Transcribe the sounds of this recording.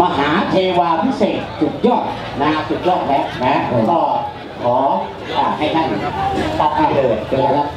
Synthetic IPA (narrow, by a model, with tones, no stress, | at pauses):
maː˧˩ɦaː˨˩˦t̪ʰeː˧waː˧pʰi˦˥seː˨˩t̪̚t͡ɕu˨˩k̚jɔː˥˩t̪̚ | naː˧su˨˩k̚lɔː˥˩k̚lɛː˦˥nɛ˧˦˥kʰːk̪ɔː˧˩ | kʰɔː˩˦ | ʔaː˨˩ha˧˥˩jt̪ʰa˥˩n˨t̪a˦˧p̚kaː˧˩lɤː˨˩t̚ː